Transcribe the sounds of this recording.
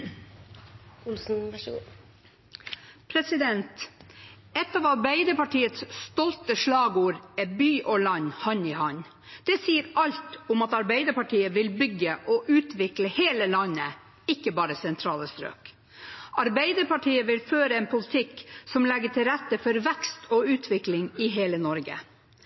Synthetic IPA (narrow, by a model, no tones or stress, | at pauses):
ʊlsn̩ʋæʂəɡṵː | pʰɾɛsɪd̪ɛnt̪ | ɛt̪ːɑːʋɑɾbæɪd̪əɾpɑʈiːət̪sst̪ɔlt̪əʂlɑːɡuːɾɛbyːʔɔɭɑnhɑnɪhɑn | d̪̥ɛsiːəɾɑlt̪ʊmɑt̪ɑɾbæɪd̪əɾpɑʈʰiːəʋɪlbʏɡəʔɔʔʉːt̪ʋɪkləheːləlɑnːə | ɪkːəbɑːɾəsɛnt̪ʰɾɑːləst̪ɾø̰ːk | ɑɾbæɪd̪əɾpɑʈʰiːəʋɪlføːɾəɛːnpʰʊlɪt̪ʰɪksɔmlɛɡːəʈʰɪlɾɛt̪ːəfɔɾʋɛkst̪ʰoːʉːt̪ʰʋɪklɪŋɪɦeːlənɔɾɡə̰